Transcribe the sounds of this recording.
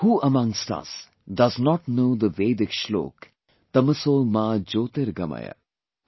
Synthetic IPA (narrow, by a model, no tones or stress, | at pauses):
huːəmɐ̃ŋstɐ̰s | dɐznɔʈnoːd̪əʋeːd̪ɪkʃlo̰ːk | t̪ɐməsomãːd͡ʒoːt̪eɾɡɐ̰ma̰jə̰